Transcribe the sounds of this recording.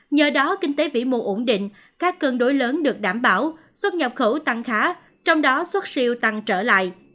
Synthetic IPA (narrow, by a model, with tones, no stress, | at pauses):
ɲəː˨˩ɗɔ˨˦kï˧ŋ̟t̪e˨˦vḭ˧˥˩mṵ˧˨ʔo˧˩nɗḭ̈˧˨ŋ̟ | kaː˦˥kːə˧nɗo˨˦jləː˨˦nɗɨ˨˩ək̚ɗaː˧˩mɓaː˧˩w | swə˦˥t̚ɲə˨˩p̚xə˧˩wt̪a˨˩ŋxaː˨˦ | t͡ɕɔ˧wŋ͡mɗɔ˨˦swə˦˥t̚si˧əwt̪a˨˩ŋt͡ɕəː˧˩la̰ː˧˨jʔ